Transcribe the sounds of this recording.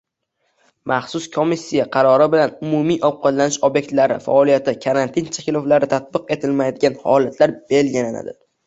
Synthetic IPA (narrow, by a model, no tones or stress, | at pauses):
mʔaχsʊskʰomisʲːijaqʰɑɾɒɾɪbɪlanʊmʊmijʔɒb̚qɒd̪lanɪʃɒbje̞k̚ʲt̪laɾɪ̰fa̰ɒlijat̪ɪkʰaɾant̪ʰɪnt͡ʃʰakʲɪloflaɾɪt̪ʰat̪̚bɨqe̞t̪ʰɪlmajd̪ɪɡʲanhɒ̰lat̪ʰlaɾb̥e̞lɡʲɪlana̰d̪ɪ